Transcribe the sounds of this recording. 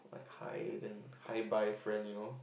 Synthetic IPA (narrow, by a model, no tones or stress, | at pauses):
la̰ɪkha̰ɪdɛ̃n | haɪbaɪfɹɛ̃nno